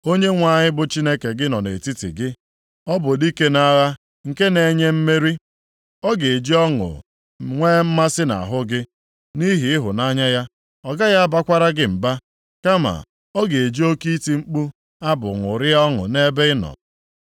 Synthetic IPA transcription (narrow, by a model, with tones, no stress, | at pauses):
o˦ɲe˦ŋʷa˨ɲɪ˦bʊ˨t͡ʃi˦ne˦ke˨ɡɪ˦nɔ˨nḛ˨ti˦tḭ˨ɡɪ˦ | ɔ˦bʊ˨di˦ke˦na˦ɣa˦ | ŋ̩˨ke˦ne˨ɲe˦m̩˦me˦ɾi˦ | ɔ˦ɡe˨e˨d͡ʒi˦ɔ˦ŋʊ̰˨ | ŋʷeː˦m̩˦ma˦sɪ˦na̰˨ɦʊ˦ɡɪ˦ | ni˦ɦi˨ɪ˦ɦʊ˨na˦ɲa˦ja˦ | ɔ˨ɡa˦ja˦ba˦kʷa˦ɾa˦ɡɪ˦m̩˨ba˦ | ka˦ma̰˨ | ɔ˦ɡe˨e˨d͡ʒi˦o˦ki˦ti˨ŋ͡m̩˦k͡pu˦ | a˦bʊ̰˨ŋʷʊ˨ɾɪ˦ɔ˦ŋʊ̰˨ne˦be˦ɪ˦nɔ̰˨